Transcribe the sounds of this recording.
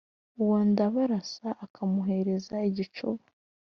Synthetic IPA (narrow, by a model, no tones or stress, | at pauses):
uwondaβaɾasaʔːkʰamuɦe̞ɾe̞zaiɟit͡ʃuβa